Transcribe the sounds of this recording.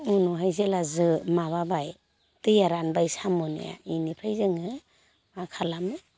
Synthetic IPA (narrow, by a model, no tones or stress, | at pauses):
unuɦajzelazɯmaβabaj | tɯjaɾanbajsamunḛja̰inipʰajzɯŋɯ | makʰalamɯ